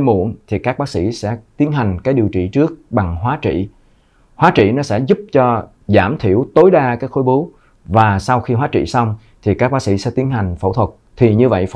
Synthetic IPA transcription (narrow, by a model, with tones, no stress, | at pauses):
mṵ˧˩˨ənt̪ʰi˨˩kaː˦˥k̚ɓaː˦ksḭ˧˥sɛ̰˧˥t̪i˨˦ənɦa˨˩jŋ̟kaː˨˦jɗi˨˩wt͡ɕḭ˧˨t͡ɕɨ˦˥ək̚ɓa˨˩ŋɦwaː˨˦t͡ɕḭ˧˨ | hwaː˨˦t͡ɕḭ˧˨nɔ˨˦sɛ̰˧˥zu˦˥p̚t͡ɕɔ˧ | zaː˧˩mt̪ʰi˧˩əwt̪o˨˦jɗaː˧kaː˨˦˥k̚xo˨˦jɓu˨˦ | vaː˨˩sa˧wxi˧ɦwaː˨˦t͡ɕḭ˧˨sa˧wŋ͡m | t̪ʰi˨˩kaː˦˥k̚ɓaː˦˥k̚sḭ˧˥sɛ̰˧˥t̪i˨˦ənɦa˨˩jŋ̟fə̰˧˩wt̪ʰwə˨˩t̚t̪ʰi˨˩ɲɨ˧və̰˧˨j